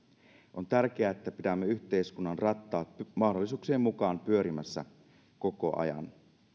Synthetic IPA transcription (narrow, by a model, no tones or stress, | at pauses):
ʔo̞nt̪ærk̟e̞æet̪ːæpit̪æmːeyçt̪e̞iskunːɑnrɑt̪ːɑːt̪mɑhdolːisuːkseːmːmukɑːnpyø̞ɾimæsːæ̰ | ko̞ko̞ʔɑ̰jɑ̰n